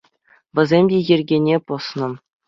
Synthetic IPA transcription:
ʋʲɘ̆zʲemʲdʲejɘ̆rʲɡʲenʲepɤ̆snɤ̆

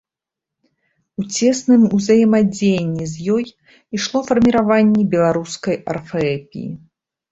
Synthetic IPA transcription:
ut͡sʲɛsnɨmuzɐjɛmad͡zʲejnʲːɛzʲjɔj | iʂlˠɔfɐrmʲiɾavanʲːɛbʲɛlˠaɾuskɐjɐ̰rfɐɛpʲḭjḭ

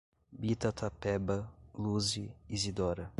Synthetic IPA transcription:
bit̪ɐt̪ʰapɛbɐluzɪizid̪ɔɾɐ

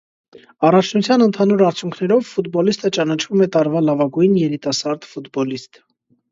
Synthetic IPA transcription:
ɑrɑt͡ʃʰnut͡sʰjɑnənt̪ʰɑnuɾɑɾt͡sʰjuŋkʰnɛɾɔvfut̪bɔlist̪ət͡ʃɑnɑt͡ʃʰvumɛt̪ɑɾvɑlɑvɑɡujnjɛɾit̪ɑsɑɾd̪fut̪bɔlist̪

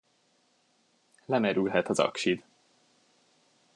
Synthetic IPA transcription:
lɛmɛɾylɦɛt̪ɒzɒ̰kʃid̪

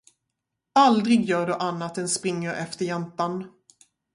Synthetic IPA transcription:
ald̪ɾɪɡjœːɖɵʔanːat̪ɛnspɾɪŋːəɾʔɛft̪əɾjɛnt̪an

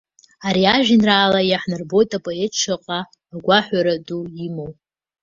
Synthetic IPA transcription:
aɾiaʒᶣinraːlajaħnɨrbo̞jtʼapʼo̞etʰʂʰaqʼaː | ɡʷaħʷaɾaduimow

